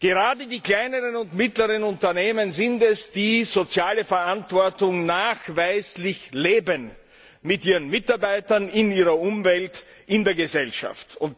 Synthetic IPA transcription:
ɡ̥əʁaːdədiːkl̥aɪnəʁənʊntmɪtləʁənʊntɐneːmənzɪntɛsd̥iːzot͡sjaːləfɛɐʔantv̥ɔɐtʊŋnaːxvaɪslɪçleːbən | mɪtʔiːʁənmɪtaɐbaɪtɐnɪniːʁɐʔʊmvɛlt | ʔɪndeːɐɡəzɛlʃa̰ftʊnt

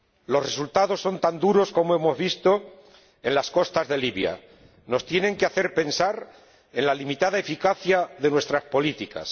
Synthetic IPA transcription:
lo̞sre̞sult̪að̞o̞sːo̞nt̪and̪uɾo̞sko̞moe̞mo̞zβist̪o̞ | e̞nlasko̞st̪azðe̞liβja̰ | no̞st̪je̞nẽ̞ŋkeaθe̞ɾpe̞nsaɾ | e̞nlalimit̪aðae̞fikaθjaðe̞nwe̞st̪ɾaspo̞lit̪ika̰s

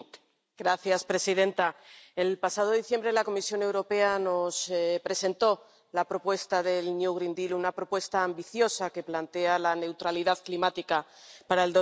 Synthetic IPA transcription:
ɡɾaθjaspɾe̞siðe̞nt̪ae̞lpasað̞o̞ðiθje̞mbɾelako̞misjo̞ne̞wɾo̞pe̞ano̞spɾe̞se̞nt̪o̞ | lapɾo̞pwe̞st̪aðe̞lnjuɣɾind̪ilunapɾo̞pwe̞st̪aːmbiθjo̞sake̞plant̪e̞alane̞wt̪ɾaliðaðklimat̪ika | paɾaeld̪o

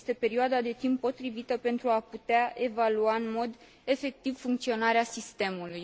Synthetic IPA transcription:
st̪e̞pe̞ɾioad̪ad̪e̞t̪impːo̞t̪ɾivit̪əpe̞nt̪ɾuaput̪eae̞valuaɨnmo̞d̪ | e̞fe̞k̚t̪ivfuŋkt̪sio̞naɾeasist̪e̞muluj

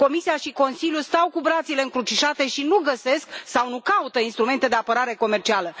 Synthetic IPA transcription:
ko̞misiaʃiko̞nsiljust̪awkubɾat̪sile̞ɨŋkɾut͡ʃiʃat̪e̞ʃinuɡəse̞sksawnukaut̪əinst̪ɾume̞nt̪e̞d̪e̞apəɾaɾe̞ko̞me̞rt͡ʃialə

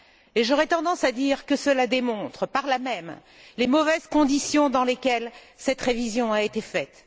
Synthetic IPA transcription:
eʒɔʁɛt̪ɑ̃d̪ɑ̃sad̪iʁkəsəlad̪emɔ̃t̪χəpaʁlamɛm | lemɔvɛzkɔ̃d̪isjɔ̃d̪ɑ̃lekʲɛl | sɛt̪ʁevizjɔ̃aet̪efɛt̪

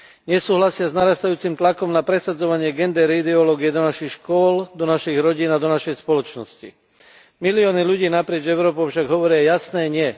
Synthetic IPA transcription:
ɲɛsuːɦlasɪaznaɾast̪ajuːt͡simt̪lakɔmnapɾɛsad͡zɔʋaɲɪɛɡɛnd̪ɛɾid̪ɛɔlɔːɡiɛd̪ɔnaʃixʃkʊɔld̪ɔnaʃiɣɾɔɟiːnad̪ɔnaʃɛjspɔlɔt͡ʃnɔscḭ | miliɔːniʎuɟiːnapɾɪɛd͡ʒɛʊɾɔːpɔfʃaɡɦɔʋɔɾɪajasnɛːɲɪɛ

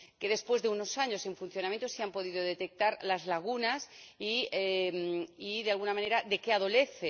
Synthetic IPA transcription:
ke̞ðe̞spwe̞zðe̞uno̞saɲo̞seɱfun̟θjonamjent̪osiampo̞ðiðoðe̞t̪e̞k̚t̪aɾlazlaɣ̞unasiemiðealɣunamãne̞ɾaðe̞keaðo̞le̞θe

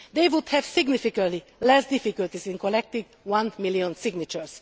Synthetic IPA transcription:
d̪ejʋud̪hɛvsiɡnifikə̃nt̪lilɛsd̪ifikult̪izĩnkolɛk̚t̪ĩŋɡ | wʌ̃nmiliɔ̃nsiɡnit͡ʃɛɹs

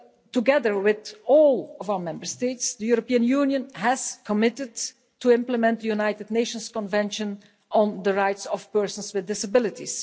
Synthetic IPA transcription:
tuɡɛðəɹwɪðɔlˠɔvawəɹmɛ̃mbəɹsteɪtsd̪əjuɹɔpiə̃njuːnjə̃nɦɛzkʰɔmɪtɪd | tuɪ̃mpləmɛ̃nt̚d̪əjunajtɪdneɪʃə̃nskɔ̃nvɛ̃nʃə̃n | ʔɔ̃nd̪əɹajtsɔfpɜɹsə̃nswɪdɪsəbɪlɪtḭs

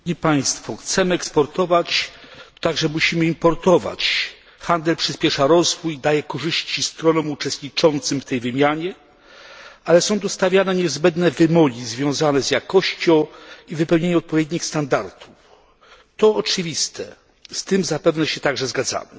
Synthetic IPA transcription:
ɲipaj̃st̪fɔxt̪sɛmɘɛkspɔɾt̪ɔvat͡ɕt̪aɡʐɛmuɕimɘimpɔɾt̪ɔva̰t͡ɕ | xand̪ɛlpʂɘspʲjɛʂaɾɔzvujd̪ajɛkɔʐɘɕt͡ɕist̪ɾɔnɔ̃wut͡ʂɛst̪ɲit͡ʂɔnt̪sɘmft̪ɛjvɘmʲjaɲɛ | alɛsɔ̃w̃t̪ust̪avʲjanɛɲɛzbɛnd̪nɛvɘmɔɡʲizvʲjɔ̃w̃zanɛzjakɔɕt͡ɕɔ̃w̃ivɘpɛwɲeɲɛɔt̪̚pɔvʲjɛd̪ɲixst̪and̪aɾt̪ʰu̥f | t̪ɔːt͡ʂɘvʲist̪ʰɛ | st̪ɘmzapɛvnɛɕɛt̪aɡʐɛzɡad̪za̰mɘ

